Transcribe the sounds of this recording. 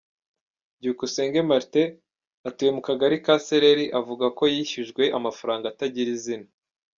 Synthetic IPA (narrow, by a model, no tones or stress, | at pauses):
ɟuukuse̞ːŋɡe̞maɾte̞ | atuːje̞mukaɡaɾikaseɾeɾiʔavuɡako̞jiːçiʒɡwe̞ʔamafaɾaːŋɡaːtaɟiɾizina